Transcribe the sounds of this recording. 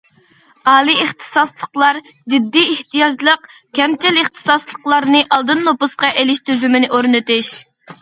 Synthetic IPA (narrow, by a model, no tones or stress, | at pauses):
ɑːlˠieχt̪ʰɨ̥sɑslˠəqlˠɑɾ | d͡ʒid̪ːiːht̪ijɑd͡ʒlˠəqkʲɛmt͡ʃɪlɪχt̪ʰɨ̥sɑslˠəqlˠɑɾnɨʔɑlˠd̪ɨnːopusqɑʔelɪʃt̪ʰyzymɪnɪʔoɾnɨt̪ɪʃ